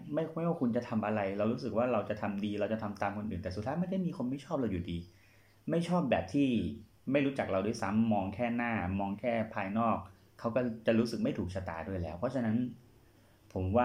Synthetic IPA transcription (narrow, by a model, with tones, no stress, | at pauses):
ma˥˩jjwaː˥˩ku˧nt͡ɕa˨˩t̪ʰa˧mʔa˧ɾa˧jɾa˧wɾuː˦˥s̬ɯ˨˩k̚waː˥˩ɾa˧wt͡ɕa˨˩t̪ʰa˧mdiː˧ɾa˧wt͡ɕa˨˩t̪ʰa˧mt̪aː˧mkʰo˧nʔɯː˨˩nt̪ɛː˨˩u˨˩t̪ʰaː˦˥ma˥˩nkʰa˥˩jmiː˧kʰo˧nma˥˩jt͡ɕʰɔː˥˩p̚ɾa˧wjuː˨˩diː˧ | ma˥˩jt͡ɕʰɔː˥˩p̚bɛ̰ː˨˩p̚t̪ʰiː˥˩ | ma˥˩jɾuː˦˥t͡ɕa˨˩k̚ɾa˧wdu˥˩ə˨jsa˦˥mːɔː˧ŋkʰɛː˥˩naː˥˩mɔː˧ŋkʰɛː˥˩pʰaː˧jnɔː˥˩k̚ʰː | a˦˥wkɔː˥˩t͡ɕa˨˩ɾuː˦˥sɯ˨k̚ma˥˩jt̪ʰuː˨˩k̚sʰa˧t̪a̰ː˨˩du˥˩jlɛː˦˥wpʰɔ˦˥t͡ɕʰa˧na˦˥n | pʰo˩˦mwaː˥˩